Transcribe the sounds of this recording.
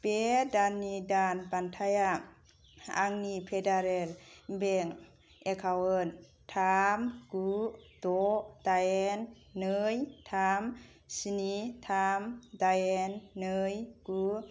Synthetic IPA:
pedanːidanpant̪ʰaja | a̰ŋnipʰedaɾelbeŋ | ʔekʰawɯn | t̪ʰamkut̪ot̪aenː | ɯjt̪ʰam | sinit̪ʰamt̪ajenːɯjku

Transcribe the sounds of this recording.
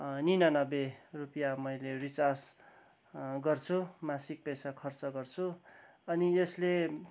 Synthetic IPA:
ninanʌberupijamʌjlerit͡sas | ɡʌrt͡sʰumasik̚pesakʰʌrt͡sʌɡʌrt͡sʰu | ʌniesle

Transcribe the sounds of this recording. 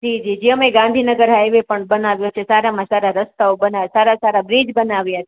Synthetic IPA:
d͡ʒid͡ʒid͡ʒeəmeɡãnd̪ʱinəɡəɾɦajʋepəɳbənaʋjot͡ʃʰesaɾamãsaɾaɾəst̪aobənaʋsaɾasaɾabɾid͡ʒbənaʋjat

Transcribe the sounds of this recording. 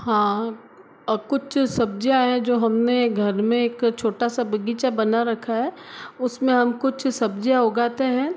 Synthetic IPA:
hãː | kʊt͡ʃʰsɐb̚d͡ʒijaɦɛ̃d͡ʒoːɦɐmneɡʱɐɾmẽeːkt͡ʃʰoːʈasabʱɐɡiːt͡ʃabɐnaɾɐkʰːaɦɛʊsmẽɦɐmkʊt͡ʃʰsɐbd͡ʒijaɦoɡaːt̪eɦɛ̃ː

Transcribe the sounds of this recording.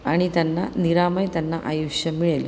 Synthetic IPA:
ɐɳit̪ɐnːɐniɾaːmɐjt̪ɐnːɐʔɐjuʃjɐmiɭɐlu

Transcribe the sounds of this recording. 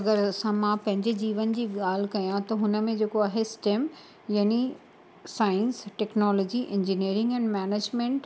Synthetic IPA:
ɐɡəɾsãmãpɐ̃ɦɪ̃ɲd͡ʑɪd͡ʑiːʋənd͡ʑiːɠaːl̤kɐjãt̪ɐɦʊnə̆mẽd͡ʑeːkoaːɦesʈeːm | jaːni | saːɪ̃nsʈɛːknɔːlɔːd͡ʑiʔɪ̃ɲd͡ʑiniːɾɪ̃ŋɡɛ̃ːnmɛːneːd͡ʑmẽɳʈ

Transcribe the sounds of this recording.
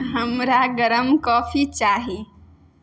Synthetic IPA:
ɦəmɾaɡəɾəmkɔːfʰit͡ʃaːɦi

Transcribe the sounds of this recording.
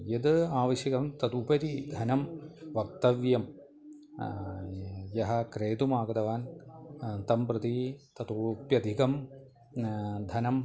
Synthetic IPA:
jɐd̪ɨaːʋɐʃjɐkɐmt̪ɐt̪upɐɾid̪ʱɐnɐmʋɐk̚t̪ɐʋjɐm | jɐɦɐ̆kɾeːt̪umaːɡɐd̪ɐʋaːn | t̪ɐmpɾɨt̪it̪ɐt̪upjɐd̪ʱikɐm | d̪ʱɐnɐm

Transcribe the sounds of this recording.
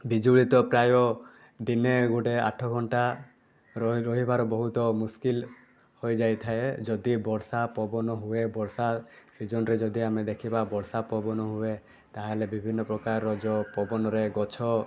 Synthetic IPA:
bid͡ʒuɭit̪ɔpɾajɔ | d̪ineɡoʈea̰ʈʰɔɡʱɔɳʈa | ɾɔɦibaɾɔbɔɦut̪ɔmuskil | hojd͡ʒajt̪ʰaed͡ʒɔd̪ibɔɾsapɔbɔnɔɦuebɔɾsasid͡ʒɔnɾed͡ʒɔd̪iamed̪ekʰibabɔɽsapɔbɔnɔɦue | t̪aɦalebibʱinːɔpɾɔkaɾːɔd͡ʒɔpɔbɔnɔɾeɡɔt͡ʃʰɔ

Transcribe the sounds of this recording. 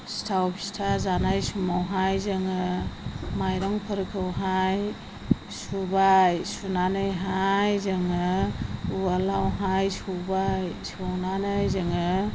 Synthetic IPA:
stʰawbʰi̥stʰazanajsumawɦajzɯŋɯ | majɾɔŋpʰɯɾkʰɯwɦaj | subajsunanɯjɦajzɯŋɯualawɦajsubajsuawnanɯjzɯŋɯ

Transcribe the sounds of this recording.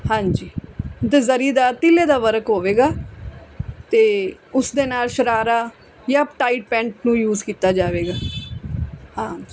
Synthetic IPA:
hãːɲd͡ʒiːt̪eːzəɾiːd̪aːt̪ɪleːd̪aːʋəɾəkɦoːʋeːɡaː | t̪eːʊsd̪eːnaːlʃəɾaːɾaː | jaːpʈaːiʈ̚pɛ̃ːɳʈnũːjuːzkiːt̪aːd͡ʒaːʋeːɡaː | ɦãːd͡ʒi

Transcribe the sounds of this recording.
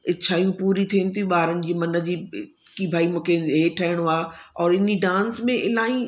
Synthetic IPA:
ɪt͡ɕʰaːijũpuːɾit̪ʰiənɪt̪ʰijũɓaːɾənɪ̆d͡ʑiːmɐnə̆d͡ʑiː | kibʱaːimũːkʰeɦeːʈʰɐɦɪɽ̃aːɔːɾɪniɖãːnsmẽʔɪlaːĩ

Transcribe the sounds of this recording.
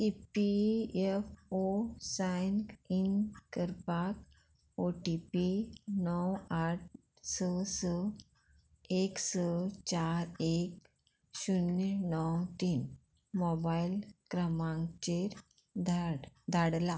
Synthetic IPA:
ipiefosajnkinkəɾpak̚ | oʈipinɔwaʈ̚ | səsə | eksət͡ɕaɾek | ɕunnɔwt̪iːn | mɔbailkɾəmãŋt͡ɕeɾ | d̪ʱaɽla

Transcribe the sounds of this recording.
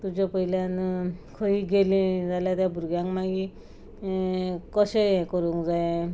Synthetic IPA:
t̪ud͡ʑɔpəiljankʰəiːɡelẽd͡zaljat̪jabʱuɾɡjãŋkmaɡi | kəɕeekəɾũŋkd͡zae

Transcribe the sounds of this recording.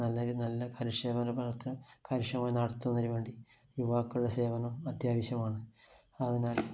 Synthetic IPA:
nɐlːɐɾunɐlːɐkɐɾuʂeːʋɐnɐbʱɐlɐt̪ːinɨkɐɾuʂɐmaːjnɐɽɐt̪ːunːɐɾiʋe̞ːɳɖi | juʋaːkːuuɽese̞ːʋɐnɐmɐd̪jaːʋɐɕjɐmaːɳɨ | ɐðinaːl

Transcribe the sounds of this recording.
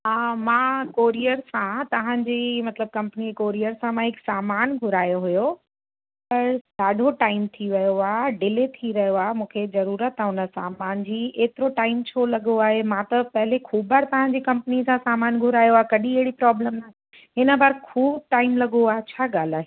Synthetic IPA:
ɦaːmãːkoːɾijəɾsãt̪ɐʋ̤ãɲd͡ʑiːmɐt̪ləb̚kɐ̃mpənikoːɾijəɾsãmãɦɪksaːmaːnɡʱʊɾaːjoɦʊjo | pɐɾɗaːɖʱoʈaːɪmt̪ʰiʋɐjoaːɖɪlet̪ʰiɾɐjoaːemũːkʰezɐɾuːɾət̪ɦʊnə̆sãːmaːnd͡ʑiːeːt̪ɪɾoʈaːɪmt͡ɕʰoːlɐɠoaːɦemãt̪ɐpɐɦɪlekʰuːbʱaɾt̪ɐʋ̤ãɲd͡ʑikɐ̃mpənisãsaːmaːnɡʱʊɾaːjoaːkɐɗĩɐɦɪɽipɾaːbləmnat̪ĩ | ɦɪnə̆baːɾkʰuːb̚ʈaːɪmlɐɠoaːɦet͡ɕʰaːɡaːl̤aːɦe

